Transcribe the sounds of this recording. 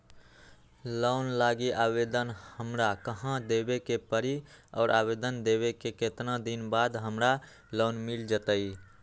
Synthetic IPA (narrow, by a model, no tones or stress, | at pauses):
ləʊnlaɡiʔabed̪ənhəmɾakəɦãd̪ebekepəɾiɔ̰ːɾʔabed̪ənd̪ebekeket̪nãd̪inbad̪ɦəmɾa | lonmild͡ʒət̪əi